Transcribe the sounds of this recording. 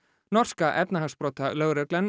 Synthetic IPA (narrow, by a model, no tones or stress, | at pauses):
nɔr̥skaʔɛp̪naɦḁspɾoːt̪alœːɣɾɛklɛn